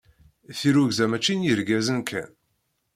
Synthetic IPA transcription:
θiɾuɡzæmæt͡ʃːinjəɾɡæzənkʰæ̰n

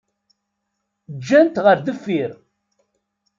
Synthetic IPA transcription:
d͡ʒːænt̪ʁəɾðəfːiɾ

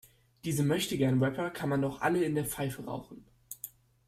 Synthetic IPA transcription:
d̥iːzəmœçtəɡɛɐnəwɛpɐkʰanmandɔχʔa̰ləɪndeːɐp͡faɪfəʁa̰ʊxn̩

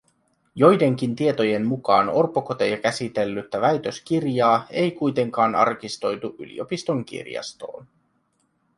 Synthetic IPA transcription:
jo̞jde̞ŋk̟int̪ie̞t̪o̞je̞nmukɑːno̞rpːokot̪ejɑkæsit̪e̞lːyt̪ːæʋæjt̪ø̞sk̟irjɑːe̞jkujt̪e̞ŋkɑːnɑ̰rkist̪o̞jt̪uʔy̰lḭo̞pist̪o̞ŋk̟ḭrjɑ̰st̪o̰ːn

